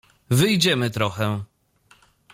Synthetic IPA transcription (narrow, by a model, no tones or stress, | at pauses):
vɘjd͡ʑɛmɘt̪ɾɔxɛ